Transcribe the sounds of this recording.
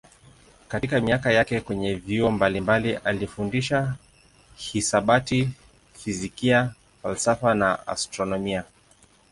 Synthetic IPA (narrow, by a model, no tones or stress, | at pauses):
katikamiakajakɛkwɛɲɛviɔmbalimbaliʔalifundiʃa | hisaɓati | fizikia | falsafanaa̰stɾɔnɔmia